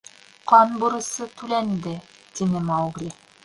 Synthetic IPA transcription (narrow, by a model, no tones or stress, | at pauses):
qɑnbuɾɤ̆sɤt̪ʉlænd̪ɘ | t̪inɘmɑwɡɾʲi